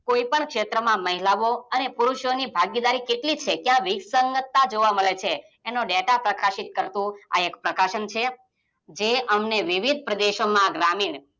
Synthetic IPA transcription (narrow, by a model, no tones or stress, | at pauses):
koipəɳkʃet̪ɾəmãməɦilaʋoənepuɾuʃjonibʱaɡid̪aɾikeʈlit͡ʃʰekjãʋisəŋɡət̪ːad͡ʒoʋaməɭet͡ʃʰeː | noɖeʈapɾəkaʃit̪̚kəɾt̪ũa̰ekpɾəkaʃənt͡ʃʰe | d͡ʒeəmneʋiʋid̪̚ʱpɾəd̪eʃomãɡɾamiɳ